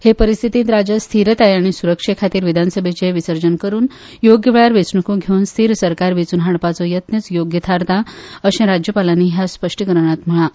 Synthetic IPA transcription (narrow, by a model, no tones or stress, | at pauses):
hepəɾist̪ʰit̪iːt̪ɾad͡ʑəst̪ʰiɾət̪ajaɽ̃isuɾəkʂekʰat̪iːɾʋid̪ʱansəbʱet͡ɕeʋisəɾd͡ʑənkəɾuːn | joɡjəʋɭaɾʋet͡sɳəkũɡʱeunst̪ʰiːɾsəɾkaɾʋet͡suːnɦaɳpat͡sɔjət̪nət͡sjoɡjət̪ʰaɾt̪aəɕẽɾad͡ʑjəpalaniɦjaspəʂʈikəɾɳ̃at̪m̤əɭa